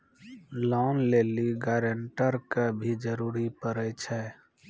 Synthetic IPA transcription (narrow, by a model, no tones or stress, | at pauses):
lɔːnleːliɡaːɾəɳʈəɾkəbʱid͡ʒəɾuːɾipəɾɛt͡ʃʰɛ